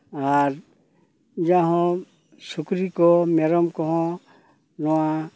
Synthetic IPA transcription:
aɾ | d͡ʒaɦɔ̃ | sukɾikɔmɛɾɔmkɔɦɔ̃ | nɔwa

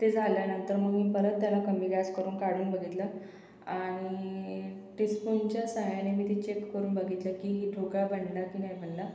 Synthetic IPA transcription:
t̪ed͡zʱaljanənt̪əɾməɡmiːpəɾət̪ːjalakəmiːɡaskəɾuːnkaɽuːnbəɡʱit̪la | aɽ̃i | ʈispunt͡ɕjasə̃ŋjanemiːt̪it͡ɕekːəɾuːnbəɡʱit̪lakiːɦiːʈʰokabəɳlakinajbʱəɳla

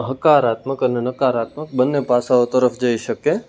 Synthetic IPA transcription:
ɦəkaɾat̪məkənenəkaɾat̪mək̚bənːebʱasaot̪əɾəfd͡ʒəiʃəke

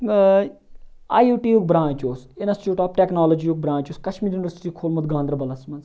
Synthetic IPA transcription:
a̰ːjuːʈiːjuːk̚bɾãːnt͡ʃoːsɪnɐst͡ʃuːʈaːpʈeːknaːlod͡ʒiuːk̚bɾãːnt͡ʃuoːskɐʃmiːɾjuniʋɐɾsi̥ʈikʰoːlmɐt̪ɡãːnd̪ɾɐbɐlɐsmɐnz

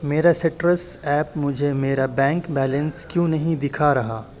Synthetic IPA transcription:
meːɾaseʈɾəsɛːpmʊd͡ʒʱemeːɾabɛ̃ːŋkbɛːlə̃nskjũːnɐɦĩd̪ɪkʰaɾɐɦaː

